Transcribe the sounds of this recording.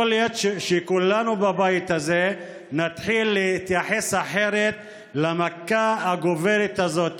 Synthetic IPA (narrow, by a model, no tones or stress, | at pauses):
oljot̪ʃʃekulanubabajit̪aze | nat̪ħilːeit̪jaħe̞saħe̞ʁet̪ | lamakaaɡoveʁit̪azo̞t̪